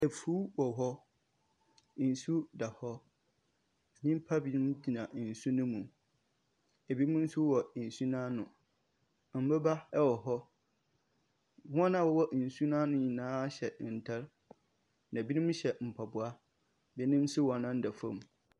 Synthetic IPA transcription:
ɛ˨fuː˦wɔ˨ɦɔ˦˨ | n̩˨su˦da˨hɔ˦˨ | nĩ˦m˦pʰa˦bi˨nũ˦m˦di˨nã˨n̩˨su˦nʊ̃˦mũ˨ | ɛ˨bi˦mʊ̃˦n̩˦su˦wɔ˨n̩˨su˦nãː˦nʊ̃˨ | m̩˨˦bɛ˦ba˦ɛ˦wɔ˨ɦɔ˦ | hɔ̃˦nã˦wɔ˦wɔ˦˨su˦nãː˦nʊ̃˦ɲĩ˨nãː˦ɕɛ˨n̩˨tʰɛ˦ɾ | nã˨bi˦nũ˦m˦ɕɛ˨m̩˨pʰa˨bʊ˨a˦ | bɛ˦nĩ˦m˦sʊ˦wɔ˨nã˦n̩˦da˨fã˦˨m˨

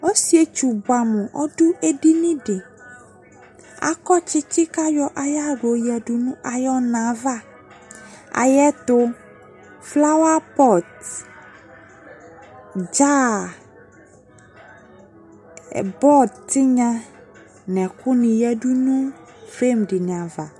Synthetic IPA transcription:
ɔ˦si˦e˨˦t͡ʃu˨ba˨mʊ̃˨ʔɔ̰˦dʊ˦ʔe˦di˦nĩ˦ɖe˨ | a̰˨kɔ˦t͡ʃɪ˦t͡ʃɪ˦ka˦jɔ˦ʔa˨ja˦ɖo˨jɛ˨du˨nũ˦ʔa˨jɔ˦nã˨va˦˨ | a̰˨jɛ˦t̪ʊ˦ | fla˦wa˦pɔ˦˨t | d͡ʒa˦˨ | bɔ˦dtɪ˦ɲã˦ | nɛ̃˨kʊ˦nĩ˨jɛ˦du˦nũ˦fe˦mɖɪ˨nĩ˨a˨va˨

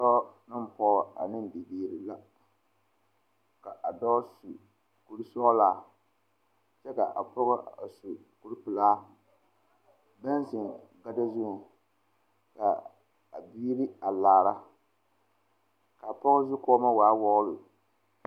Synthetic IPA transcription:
tɔ˦nɨ˦m˨pɔ˦˨a̰˨nɨ˦nbi˨biː˦ɾi˦la˦ | ka˨ʔa˨dɔː˦su˨ | ku˦ɾɨ˦sɔ˦laː˦ | t͡ʃɛ˦ka˨ʔa̰˨pʊ˦ɣʊ˦a˨su˨ | ku˦ɾpɨ˨laː˦ | bɛ˦n˦zɪ˨ɡa˦da˦zʊ˦˨ | ka̰˨ | a̰˨biː˦ɾi˦a˨laː˨ɾa˦ | ka˨a˨pɔ˦ʊ˦zʊ˦kɔ˦ma˦waː˨˦wɔ˦ɣlʊ˨

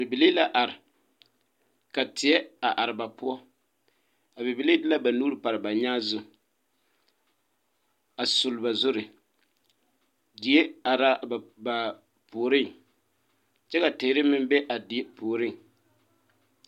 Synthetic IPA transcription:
bɪ˨bi˨liː˦la˦ʔa˨ɾɪ˨ | ka˨tɪ˨ɛ˦a˨ʔa˨ɾɪ˨ba˨pʊ˦ɔ˦ | a˨bi˨bi˨li˦dla˦ba˨nuː˦ɾpa˨ɾɪ˨ba˨ɲa˦zʊ˨ | a˨sʊ˨lba˨zʊ˦ɾɪ˨ | di˨e˦a˨ɾa˦˨ba˨ | poː˨ɾɪ˦˨ŋ | t͡ʃɛ˦ka˨teː˨˦ɾɪ˦mɪ˦m˦bɛ˦ʔa˨di˨˦e˦poː˨ɾɪ˦˨ŋ

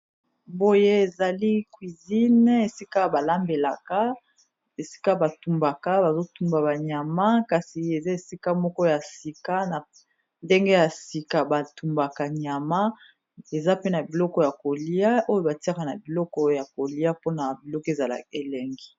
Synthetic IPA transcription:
bo˦je˦e˨za˨li˦kwi˨zi˦n˦e˨si˦ka˦ba˨la˦mbe˨la˨ka˦ | e˨si̥˦ka˦ba˨tu˨mba˨ka˦ba˨zo˦tu˦mba˨ba˨ɲa˨ma˦ka˨si˨e˨za˦e˨si˦ka˦mɔ˦kɔ˦ja˨si˨ka˦na˨ | nde˦ŋɡe˦ja˨si˨ka˨ba˨tu˨mba˨ka˨ɲa˨ma˦ | e˨za˦pe˦na˨bi˨lɔ˦kɔ˦˨ja˨ko˨li˦a˦ʔo˦jo˦ba˨ti˦a˦ka˨na˨bi˨lɔ˦kɔ˦ja˨ko˨li˦a˦po˦na˨bi˨lɔ˦kɔ˦e˨za˨la̰˨e˨lɛ˨ŋɡi˦

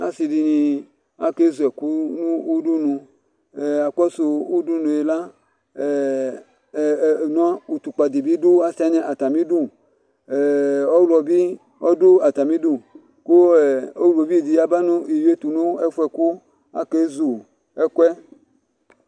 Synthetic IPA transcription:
a̰˨si˨di˨nĩ˨˧ | a˦ke˦zu˨ɛ˨ku˦nũ˦u˦du˦nũ˧˨ | a˨kɔ˦so˨u˦du˦nũ˨e˨la˦˨ | nɔ̃˦u˨t̪u˨k͡pa˨d̪i˨bi˦du˦a˦sɛ˦nɛ̃˨ʔa˨t̪a˨mĩ˦du˦˨ | ɔ˦wlɔ˨bi˦ | ɔ˦do˦a˨t̪a˨mĩ˦du˦˨ | ko˦ɛ˨o˦wlo˨bi˦˨d̪i˨ja˦ba˦nũ˦i˨ju˦e˦t̪u˨no˦ɛ˦fu˦ɛ˨ku˦ | a̰˦ke˦zu˨ | ɛ˦kʷɛ˦

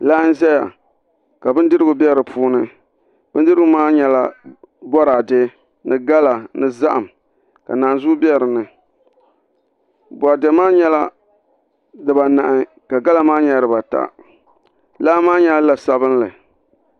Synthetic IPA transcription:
la˦n̩˦zɛ˦ja̰˨ | ka˨bɨ˦n˦dɨ˦ɾɨ˦ɡʊ˨bɛ˦ɾɨ˨pʰuː˦nɨ˦ | bɨ˦ndɨ˦ɾɨ˦ɡʊ˨maː˦ɲɛ˦la˦ | bɔ˦ɾaː˨de˦ | nɨ˦ɡa˦la˨nɨ˦za̰˦ʔa˨m | ka̰˨naː˨nzu˦bɛ˦ɾɨ˨nɨ˨ | bʷa˨dɛ˨˦maː˦ɲɛ˦la˦ | dɨ˨ba˨na˨ʔɪ˨ | ka˨ɡa˦la˨maː˦ɲɛ˦ɾɨ˨ba˨ta̰˦ | la˦maː˦ɲɛ˦la˨sa˨bɨ˦nlɨ˨

